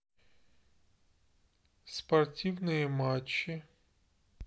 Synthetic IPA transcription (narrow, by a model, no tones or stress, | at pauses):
spɐrtʲiwnɪjimɑt͡ʃːi